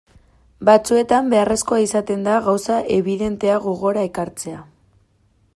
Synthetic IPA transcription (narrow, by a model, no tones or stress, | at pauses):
bat͡sue̞t̪ambe̞are̞sko̞aisat̪e̞nd̪aɣawsaʔe̞βiðe̞nt̪e̞aɣoɣo̞ɾaekaɾt͡se̞a